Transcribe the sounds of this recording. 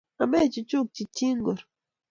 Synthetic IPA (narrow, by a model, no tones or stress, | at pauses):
amajt͡ʃʊt͡ʃʊk̚t͡ʃit͡ʃɪŋɡoɾ